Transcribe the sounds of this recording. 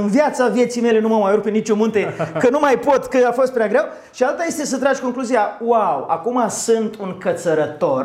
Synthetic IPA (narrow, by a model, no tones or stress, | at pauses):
ɨnvjat̪savje̞t̪sijme̞le̞numawmajoɾuk̚penit͡ʃʲomũnt̪e̞kənumajpo̞t̪kəafo̞st̪pɾʲeaɡɾew | ʃialt̪aje̞st̪e̞sət̪ɾaʒʲko̞ŋkluzijawawakumasɨnt̪uŋkət̪səɾət̪o̞r